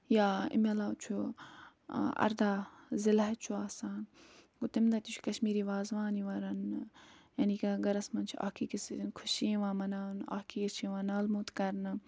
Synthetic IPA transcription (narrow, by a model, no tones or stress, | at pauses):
jaːɪ̰mɐlaːt͡ʃʰu | ɐ̰ɾd̪aːzɪlaɦt͡ʃʰuaːsaːnɡut̪imd̪ɐt̪it͡ʃʰu̥kɐʃmiːɾiːʋaːzʋaːniʋɐɾɐn | jɐnikaɡɐɾɐsmɐnt͡ʃʰuʔa̰ːkʰikisinkʰʊʃiːʋãːmɐnaːna̰ːkʰiːkiɾt͡ʃʰiːʋãːnaːlmuːt̪kɐɾnɨ